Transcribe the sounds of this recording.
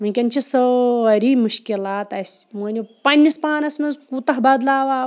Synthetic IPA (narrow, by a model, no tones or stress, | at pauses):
mɐnʲkʲɐnʲt͡ʃʰisəɐɾiːmuʃkʲilaːt̪ɐsmoːnʲipɐnʲːispaːnɐsmɐnzput̪ɐɦbɐːd̪laːʋaː